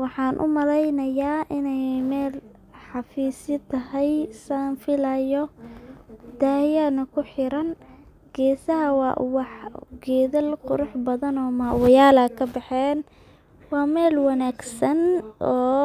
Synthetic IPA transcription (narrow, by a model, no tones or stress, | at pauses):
wɑħɑːnʔʊ̰mɐlɛjnɐjaːʔɪnɛjmɛːl | ħɑfiːsɪt̪ʰɐɦɛjsɐnfɪlɐjɔ | d̪aːjɐnɐkʰʊħɪɾɐn | ɡ̥ɛːsɐɦɐwɑːʔwɑħɡɛːðɐlqʊɾʊħbɐðɐnɔːmaːwɐjaːlɐkʰɐbɛħɛːn | wɑːmɛːlwɑnaːɡsɐnʔɔː